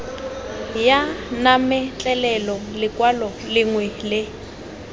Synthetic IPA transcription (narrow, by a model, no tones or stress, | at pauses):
janamɛt͡ɬʼɛlɛlɔlɪkʼwalɔlɪŋwɛlɪ